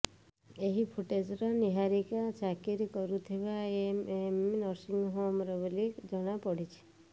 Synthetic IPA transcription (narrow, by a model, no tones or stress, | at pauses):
eɦipʰuʈed͡ʒɾɔniɦaɾikat͡ʃakiɾkɔɾut̪ʰibaememnɔɾsiŋɡɦomɾɔbelikd͡ʒɔɽ̃apɔɽit͡ʃʰi̥